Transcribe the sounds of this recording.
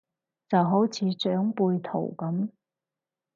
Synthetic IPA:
t͡sɐ˨wɦo˨˥wt͡sʰiː˨˧t͡ʃœː˨˥ŋpuː˧jt̪ʰo̰˨˩wkɐ˨˥m

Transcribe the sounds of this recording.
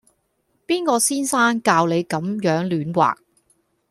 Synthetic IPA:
piː˥nkɔː˧siː˥nsaː˥nkaː˧wle˨˧jkɐ˨˥mjœː˨˥ŋlyː˨˥nwa̰ː˨˩k̚

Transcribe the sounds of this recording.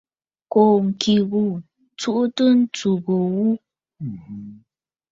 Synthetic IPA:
ko˨ŋ̩˨ki˨ɣu˨ | t͡su˦ʔu˦tə˦n̩˦t͡su˨ɣo˨wu˦˨

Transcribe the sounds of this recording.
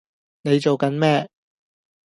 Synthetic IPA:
ne˨˧jt͡ʃo˨wkɐ˨˥nmɛː˥

